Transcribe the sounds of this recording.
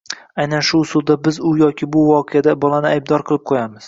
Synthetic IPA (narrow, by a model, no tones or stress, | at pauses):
ajnanʃʊʊsʊlˠd̪abɪzʊjɒkʲʰɪbʊvɒqʰɨjad̪abɒlˠanɪajb̚d̪ɒɾqʰɨlˠɪp̚qʰojamɪz̥